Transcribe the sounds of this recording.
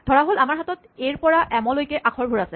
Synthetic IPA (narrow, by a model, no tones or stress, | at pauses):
dʱɔɹaɦolamaɹɦatɔt | ejɹpɔɹaʔɛmɔlojkɛʔakʰɔɹbʱuɹasɛ